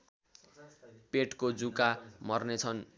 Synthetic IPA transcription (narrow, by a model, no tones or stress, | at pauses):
peʈkod͡zukamʌrnet͡sʰʌn